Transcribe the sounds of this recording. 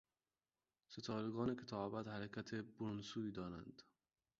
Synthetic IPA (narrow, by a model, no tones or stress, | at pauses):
set̪ʰɒːɾeɡɒːnekʰet̪ʰɒːbæd̪hæɾekʰæt̪ʰeboɾunsuːiːd̪ɒːɾænd̪̥